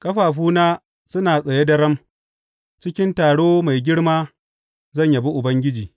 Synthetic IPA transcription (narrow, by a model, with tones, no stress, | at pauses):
kʼɐ˦ɸaː˨ɸuː˦naː˦ | sʊ˦naː˨sʼɐ˨je˦dɐ˦ɾɐ˦m | t͡ʃɪ˦kʲɪ˦ntaː˨ɽoː˦ma˨jɡʲɪ˦ɽmaː˦ | zɐ˦˨ɲja˨bi˦ʔʊ˨bɐ˦ŋɡʲɪ˦d͡ʒiː˨